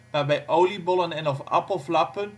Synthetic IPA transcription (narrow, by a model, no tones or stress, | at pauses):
maːɹbɛjʔowlibɔlənɛnɔfɑ̰pəlˠflɑpən